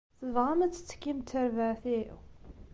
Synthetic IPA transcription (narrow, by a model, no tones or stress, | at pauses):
θəvʁamət͡s̪ːə̥t͡sːə̥kːimt̪ʰːəɾvaʕθḭ